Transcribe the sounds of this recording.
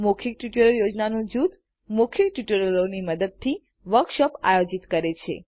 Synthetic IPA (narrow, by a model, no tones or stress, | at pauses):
mokʰik̚ʈuʈəɾəljod͡ʒnanũd͡ʒut̪ | mukʰjikʈuʈəɾəloniməd̪əd̪̚t̪ʰi | ʋəɾkʃɔpa̰jod͡ʒit̪kəɾet͡ʃʰḛ